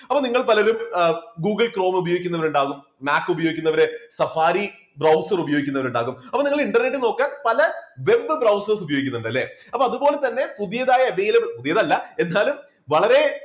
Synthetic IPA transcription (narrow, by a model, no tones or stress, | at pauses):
ɐpːoniŋːɐɭpɐlɐɾumɡuːɡɨlkro̞ːmubɐjoːɡikʲːunːɐʋɐɾuɳɖaːɣumːaːkːubɐjo̞ːɡikʲːunːɐʋɐɾesɐfaːɾi | brɐwsɐrubɐjo̞ːɡikʲːunːɐʋɐɾuɳɖaːɣumɐpːoniŋːɐɭiɳɖɐrne̞ʈːɨno̞ːkːaːnpɐlɐʋe̞bɨbrɐwsɐrs̬ubɐjoːɡikʲːunːuɳɖɐlːeːɐpːoːɐðubo̞ːle̞t̪ɐnːe̞puðijɐðaːjɐeʋejlɐbiɭpuðijɐðɐlːɐe̞nːaːlum | ʋɐɭɐɾe̞